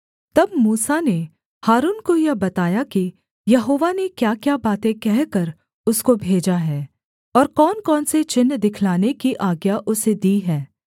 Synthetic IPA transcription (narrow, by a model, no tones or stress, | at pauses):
t̪ɐb̚muːsane | haːɾuːnkojebɐt̪aːjaki | jɐɦoːʋanekjaːkjabaːt̪ẽkɛɦkɐɾ | ʊskobʱeːd͡ʒaɦɛː | ɔːɾkɔːnkɔːnset͡ʃɪnːd̪ɪkʰlaːnekiʔaːɡjaʔʊsed̪iːɦɛː